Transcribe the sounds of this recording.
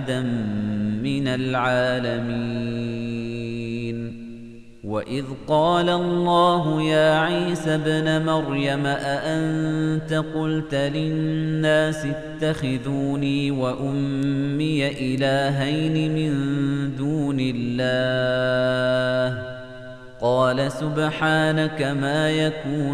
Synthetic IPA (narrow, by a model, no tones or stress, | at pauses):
d̪amː | ɪnalʕaːlami | n | waʔɪðqɑːlalˤːɑːɦʊjaːʕiːsabnamɑɾˤjamaʔaʔannt̪aqʊlt̪alɪnnːaːsɪt̪ːaxɪðuːniːwaʔʊmːɪjaʔɪlaːɦajnɪmɪnd̪uːnɪlːaː | h | qɑːlasʊbħaːnakamaːjakuː